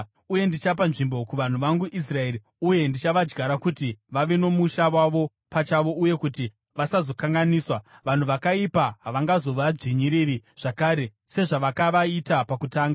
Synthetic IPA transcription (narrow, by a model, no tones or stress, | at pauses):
uje̞ndit͡ʃap̬anʐimbo̞kuʋan̤uʋaŋɡuʔis̬rae̞ɾi | uje̞ndit͡ʃaʋad͡ʒɡaɾakutiʋaʋe̞no̞muʃaʋwaʋo̞ | pat͡ʃaʋo̞uje̞kuti | ʋasazo̞kaŋɡaniːswaʋan̤uʋakaipaɦaʋaŋɡazo̞ʋad͡ʒiɲiɾiɾiʐ̥akaːɾe̞ | se̞ʐaʋakaʋaitapakutaːŋɡa